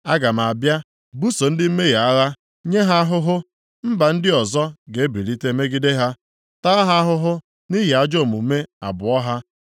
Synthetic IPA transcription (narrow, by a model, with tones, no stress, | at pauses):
a˦ɡa˨m̩˨a˨bja˦ | bu˦so˨n̩˦dɪ˦m̩˦me˦ɣa˨a˦ɣa˦ | ɲe˦ɦa˦a˦ɦʊ˦ɦʊ˦ | m̩˦ba˨n̩˦dɪ˦ɔ˨zɔ˦ɡe˨˦bi˨ɾi˦te˦me˦ɡi˦de˦ɦa˦ | ta˦ɦa˦a˦ɦʊ˦ɦʊ˦ | ni˦ɦi˨a˦d͡ʒo˦˨mu˨˦me˦a̰˨bʊ˨ɔ˦ɦa˦